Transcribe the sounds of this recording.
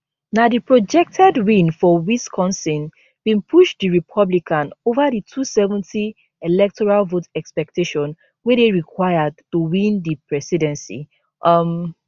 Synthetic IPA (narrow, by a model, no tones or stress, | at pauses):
nadipɹɔd͡ʒɛk̚tʰɛdwĩnfɔwiskʰɔ̃nsĩn | b̥ĩnpʰuʃdiɹipʰʌblikãnovaditʰusɛvɔ̃ntʰi | elɛk̚tʰɔɹalvotɛkspɛk̚tʰeʃɔ̃n | wɛdeɹikʰwaɪəd̚tuwĩndipʰɹɛsidɛ̃nsḭ | ʔm